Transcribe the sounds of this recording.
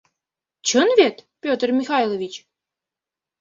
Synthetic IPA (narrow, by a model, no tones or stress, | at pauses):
t͡ɕənvʲet̪pʲot̪ərmʲixɑjlˠovʲit͡ɕ